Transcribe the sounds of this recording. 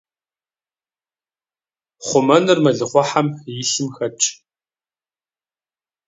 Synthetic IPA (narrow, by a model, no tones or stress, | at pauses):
χʷʊmɐnɨrmɐɮɨχʷɔħamjɪɬɨmxɐt͡ʃʼ